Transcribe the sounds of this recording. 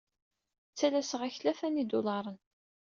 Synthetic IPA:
t͡sːælæsəʁæçlæfænid̪ʊlɑɾˤən

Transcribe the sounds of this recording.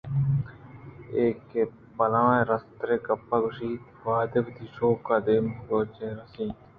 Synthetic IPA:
eːke | pɐlãːẽːɾəst̪ɾeːkɐpːaːɡʊʃiːt̪ | ʋaːd̪ebd̪iːʃoːkaːd̪eːmɡoːt͡ʃeːɾɐsĩː

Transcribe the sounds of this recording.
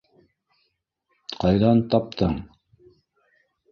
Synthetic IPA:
qɑjðɑnt̪ɑp̚t̪ɤɴ

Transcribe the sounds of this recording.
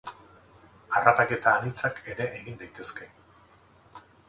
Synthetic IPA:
arapake̞t̪aːnit͡sake̞ɾe̞ʔːɣind̪ajt̪e̞skaj

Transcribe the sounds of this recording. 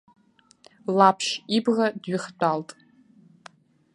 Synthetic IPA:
lapʰʃibʁadɥɪχt͡pʷʼaltʼ

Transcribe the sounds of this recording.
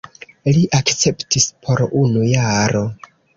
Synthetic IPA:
liʔakt͡se̞ptispʰo̞ɾunujaɾo̞

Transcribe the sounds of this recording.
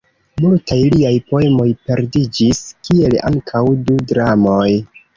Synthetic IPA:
multajliajpo̞e̞mo̞jpe̞ɾdid͡ʒiskie̞la̰ŋkʰawdudɾamo̞j

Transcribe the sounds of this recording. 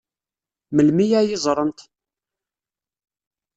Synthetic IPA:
məlmijæjɪzˤɾˤənt̪

